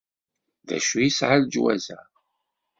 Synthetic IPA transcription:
ðæ̰ʃujisʕald͡ʒwæ̰zæ̰

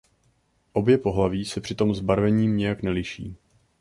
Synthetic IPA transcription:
ʔo̞bjɛpo̞ɦlaviːsɛpr̥ɪt̪o̞mzbaɾvɛɲiːmɲɛjaknɛlɪʃḭː

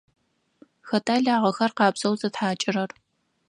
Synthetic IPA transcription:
xɐtʰʼaːɮaːʁɐxɐrqɑːbz̥ɐwzɐtħaːt͡ʃʼɪrɐr

